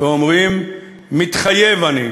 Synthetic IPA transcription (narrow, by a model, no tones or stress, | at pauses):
omʁimː | it̪χajevani